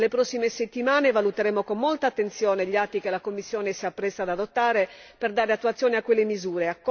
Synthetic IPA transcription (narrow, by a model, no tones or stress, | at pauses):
lepɾɔsːimeset̪ːimaːnevalut̪eɾɛːmːokomːolt̪aːt̪ːent̪sjɔːneʎat̪ːikelakomːisːjɔːnesiapːɾɛsːad̪ad̪ot̪ːaːɾeperd̪aːɾeat̪ːuat̪sjɔːneakːwelːemizuːɾeakː